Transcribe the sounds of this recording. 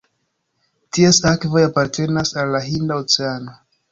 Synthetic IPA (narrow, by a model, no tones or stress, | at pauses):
tiesakvo̞japaɾtʰe̞nasalːaɦindaot͡seano̞